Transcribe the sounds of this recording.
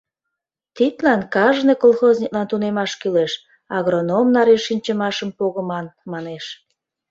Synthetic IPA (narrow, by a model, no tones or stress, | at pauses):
t̪it̪lɑnkɑʒnekolxozʲnʲiklɑnt̪unemɑʃkyleʃ | ɑɣronomnɑɾeʃinʲt͡ɕəmɑʃəmpoɣəmɑnmɑneʃ